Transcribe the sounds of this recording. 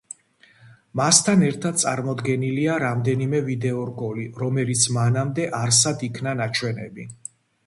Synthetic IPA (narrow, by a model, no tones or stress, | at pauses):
mast̪ʰanɛɾt̪ʰad̪̚t̪sʼa̰ɾmɔd̪ɡɛniliaɾamd̪ɛnimɛvid̪ɛɔɾɡɔliɾɔmɛlit̪sʰmanamd̪ɛʔaɾs̬ad̪ikʰnanat͡ʃʰwɛnɛ̰bi